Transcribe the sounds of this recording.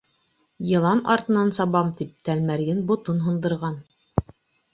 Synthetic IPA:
jɤ̆lˠɑnɑ̰ɾt̪ɤ̆nɑnsɑβɑmt̪ip̚t̪ælmæɾɡɘnbŏt̪onɦɤ̆nd̪ɤ̆ɾʁɑn

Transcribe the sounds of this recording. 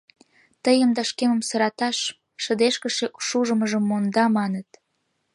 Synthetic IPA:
t̪əjəmd̪ɑʃkemə̆msəɾɑt̪ɑʃ | ʃə̆d̪eʃkəʃeʔuʃuʒə̆məʒəmːond̪ɑmɑnət̪

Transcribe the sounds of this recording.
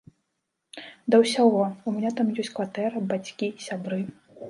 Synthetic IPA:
d̪ɐwsʲaɣɔumʲɛnʲat̪amjɔsʲtʲkvat̪ɛɾɐbat͡sʲkʲisʲabɾɨ

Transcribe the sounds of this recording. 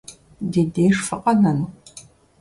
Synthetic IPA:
deːdeːʂfɐqʼɐnɐn

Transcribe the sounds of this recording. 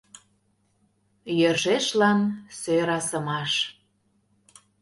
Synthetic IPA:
jəʒeʃlɑnsøɾɑsəmɑʃ

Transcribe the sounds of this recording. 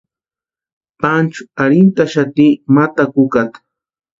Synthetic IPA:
pant͡ʃʊ̥aɾɪnt̪aʃat̪iːmat̪akʊkat̪

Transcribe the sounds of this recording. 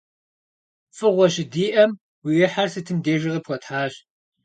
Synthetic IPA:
fʼɨʁʷɔɕɪdiːʔɐm | wijɪħarsɨtʰɨmdeːʒɪʁɨpxʷɔtħaːɕ

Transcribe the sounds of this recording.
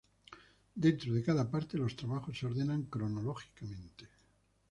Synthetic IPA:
d̪e̞nt̪ɾoð̞ekaðapaɾt̪elo̞st̪ɾaβaxoseo̞ɾðenaŋkɾonoloxi̥kamẽnt̪e̥

